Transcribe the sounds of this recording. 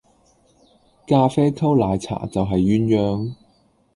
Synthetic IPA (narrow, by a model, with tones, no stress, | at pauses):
kaː˧fɛː˥kʰɐ˥wlaː˨˧jt͡sʰa̰ː˨˩t͡sɐ˨wɦɐ˨jːyː˨˥njœː˧ŋ